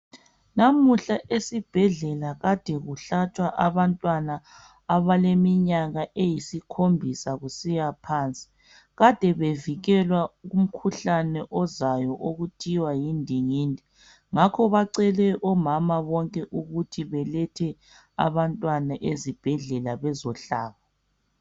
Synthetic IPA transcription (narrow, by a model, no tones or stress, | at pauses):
namuɬaʔesib̥ʱɛɮɛlaɣad̥ʱɛɣuɬat͡ʃʰwaʔaβantʼwana | aβalemiɲaɣaʔejisikʰombʱisaɣusijapʰaːnt͡sʼi̥ | ɣad̥ʱɛβeviɣɛlwaɣum̩kʰuɬanɛʔɔzajɔʔoɣutʰiwajindʱiŋiːndʱi | ŋakʰɔβaǀɛlɛʔɔmamaβɔŋkʼɛʔuɣutʰiβɛlɛtʰɛ | a̰βantʼwanaʔezib̥ʱɛɮɛlaβɛzɔɬa̰ːβa